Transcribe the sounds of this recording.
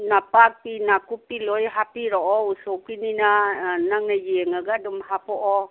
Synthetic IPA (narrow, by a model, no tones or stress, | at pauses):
napak̚pinakupilɔjɦapiɾɔʔɔusokininanaŋnajeŋaɡadumɦapɔʔɔ